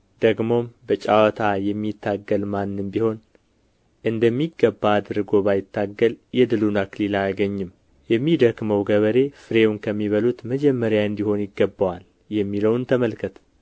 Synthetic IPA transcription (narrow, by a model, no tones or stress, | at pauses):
d̪̥əɡmo̞mbət͡ʃʼawɔt̪ʰajɛmːit̪ːaɡːəlmanːɨmbiho̞n | ʔɨnd̪əmːiɡːəbːaːd̪ɨɾɨɡo̞bajɪt̪ʰːaɡːəljɛd̪ɨlunaklilajaɡəɲːɨm | jɛmːid̪əkməwɡəβəɾe̞fɨɾe̞wunkʰəmːiβəlut̪məd͡ʒɛmːəɾjaɨnd̪iho̞njɪɡːəbːəwal | jɛmːiləwnt̪ʰəməlkʰət̪